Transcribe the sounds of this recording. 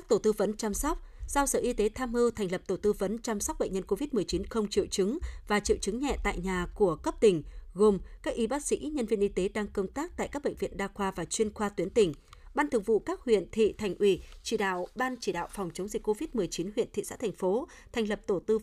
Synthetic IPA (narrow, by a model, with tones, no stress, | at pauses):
a˦˥k̚t̪o˧˩t̪ɨ˧və˨˦nt͡ɕaː˧mswk͡p̚z̥a˧wsə̰ː˧˩˨ʔi˧t̪e˨˦t̪ʰaː˧mhɨ˧t̪ʰa˨˩ŋlə˨˩p̚t̪o˧˩t̪ɨ˧və˨˦nt͡ɕa˧msa˦˥k͡p̚ɓə̰˧˨ŋ̟ɲə˧nko˧vi˦˥t̚mɨ˨˩əjt͡ɕi˨˦nxə˧wŋ͡mt͡ɕḭ˧˨əwt͡ɕɨ˨˦ŋvaː˨˩t͡ɕḭ˧˨wt͡ɕɨ˨˦ŋɲɛ̰˧˨t̪a̰ː˧˨jɲaː˨˩ku˧˩əkə˦˥p̚t̪ï˨˩ŋ̟ɣo˨˩mkaː˦˥k̚ʔi˨˦ɓaː˦˥k̚sḭ˧˥ɲə˧nvi˧ənʔi˧t̪e˨˦ɗaː˧ŋkə˧wŋ͡mt̪aː˦˥k̚t̪a̰ː˧˨jkaː˦˥k̚ɓə̰˧˨ŋ̟vḭ˧˨ənɗaː˧xwaː˧vaː˨˩t͡ɕwi˧ənxwaː˧t̪wi˨˦ənt̪ï˨˩ŋ̟ɓaː˧nt̪ʰək̚vṵ˧˨kaː˦˥k̚hwḭ˧˨ənt̪ʰḭ˧˨t̪ʰa˨˩jŋ̟ʔi˧˩t͡ɕi˧˩ɗa̰ː˧˨wɓaː˧nt͡ɕi˧˩ɗa̰ː˧˨wfɔ˨˩wŋ͡mt͡ɕə˨˦wŋ͡mzï˨˩k̟̚ko˧vi˦˥t̚mɨ˨˩əjt͡ɕi˨˦nɦwḭ˧˨ənt̪ḭ˧˨sa̰ː˧˥t̪ʰɛ˨˩ŋ̟fo˨˦ | t̪ʰɛ˨˩ŋ̟lə˨˩p̚t̪o˧˩t̪ɨ˧